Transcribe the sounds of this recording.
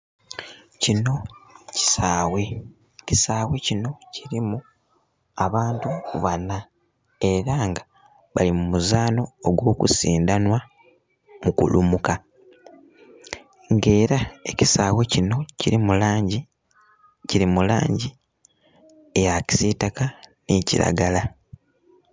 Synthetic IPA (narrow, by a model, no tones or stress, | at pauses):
cino̞ci̥saːwe̞ | ci̥saːwe̞cino̞cʰiɾimu | aβaːntuβana | e̞ɾaːŋɡa | βalimumuzaːno̞ːɡwo̞ːkṵsiːndanwa | mukṵlumuka | ŋɡe̞ːɾaecisaːwe̞cino̞ciɾimulaːɟi | ciɾimula̰ːɲɟi | ejaci̥sitakaneːciɾa̰ɡala